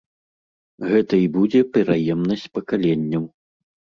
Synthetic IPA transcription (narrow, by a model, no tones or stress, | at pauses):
ɣɛt̪ɐibud͡zʲɛpʲɛɾajɛmnɐsʲt͡sʲpɐkalʲenʲːɐw